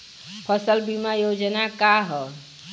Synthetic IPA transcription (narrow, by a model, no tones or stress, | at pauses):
pʰəsəlbimajod͡ʒnakaɦɔ